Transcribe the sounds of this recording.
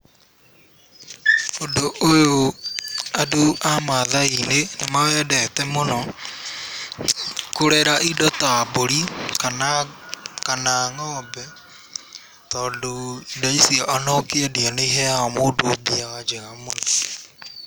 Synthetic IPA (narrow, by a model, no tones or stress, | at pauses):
odoʔojo | aduʔamaðainenemawɛdɛtɛmonɔ | koɾɛɾaʔidɔtaboɾika | kanaŋɔːbɛ | tɔːndoidaisiaʔanɔkɛdianeiɦɛaɔmoːdoːbiawad͡ʒeɣamonɔ